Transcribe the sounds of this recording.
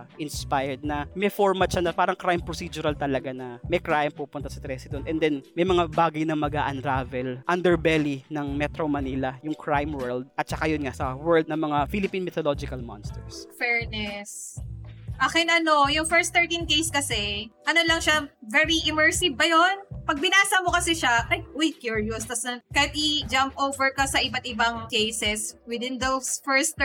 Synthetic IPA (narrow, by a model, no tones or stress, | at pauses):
ʔɪnspajɛd̪̚nɐmɛfoɹmɐt̪ʃanɐpaːɾɐŋkɾajmpɾosid͡ʒʊɾɐlt̪ɐlɐɡanɐmɐjkɾajmpupʊnt̪asɐt̪ɾɛsɪd̪onʔɛnd̪ɛnmɐjmɐŋabaːɡɐjnɐmɐɡaʔɐnɾaːvɛlʔɐnd̪ɛɹbɛlinɐŋmɛt̪ɾomɐnilɐjʊŋkʰɹajmwɛld̪̚ʔɐt̪̚t͡ʃɐkajʊnŋasɐwɛɹld̪̚nɐŋmɐŋafilɪpinmɛt̪olod͡ʒɪkɐlmɔ̰nst̪ɛɹsfɛɹnɛs | ʔaːkɛnʔɐno̞jʊŋfɛɹst̪ːɛɹt̪ĩnkejskɐsɛʔɐnolɐŋʃavɛɹiʔɪmɛɹsɪv̚pɐjonpɐɡ̚bɪnaːsɐmo̞kɐsɛʃakajk̚ʔɔjkjuɹjɔst̪ɐsnɐkɐjat̪̚ʔɪd͡ʒampʔowvɛɹkɐsɐʔɪbat̪̚ʔɪbaŋkejsɛswɪd̪ɪnd̪owsfɛɹst̪